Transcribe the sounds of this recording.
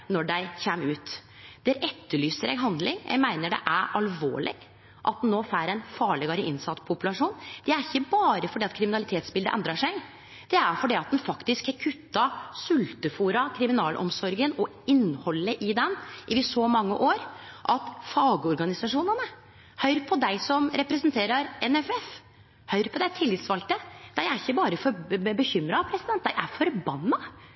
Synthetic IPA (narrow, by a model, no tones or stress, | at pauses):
nɔɖæɪçeːmʉːt̪ | d̪̥ɛæɾʔɛt̪ːəɭyːsəɾɛ̰ɡɦɑnd̪lɪŋjʔæ̰ɡmæɪnəɖɛ̰ʔæɾɑlʋo̰ːɭɪ̰ɡ | ʔɑt̪̚d̪nːoːfæːɾɛnfɑːɭeːɡɾɪʔɪnsɑt̪ːpʰʊpʉlɑʂuːnd̪̥ɛæɾɪçːəbɑːɾəfɔɖiːɑt̪kʰɾɪmɪnɑlɪt̪ʰeːt̪sbɪld̪əʔɛ̰nd̪ɾɑʂæɪɡ | d̪̥ɛæɾfɔɖiːɑt̪̚d̪ɛnfɑkt̪ɪskhɑɾkʰʉt̪ːɑsʉlt̪əfuːɾɑkʰɾɪmɪnɑːlʔɔ̰msɔɾɡənɔ | ɪnːhɔlːəʔɪd̪ɛnʔɪʋɪsɔmɑŋːə̰ʔoːɾʔɑt̪fɑːɡəɔɾɡɑnɪsɑʂuːnənə | hœʏɾpʰɔd̪æɪsɔmɾɛpɾɛsənt̪ʰeːɾəɾɛnɛfɛf | hœʏɾpʰɔd̪æɪt̪ʰɪlːɪt̪sʋɑlt̪əd̪̥æɪæɾɪçːəbɑːɾəfɔbəçʏmɾɑpʰɾɛsɪd̪ɛnt̪̚d̪æɪʔæɾfɔɾbɑnːɑ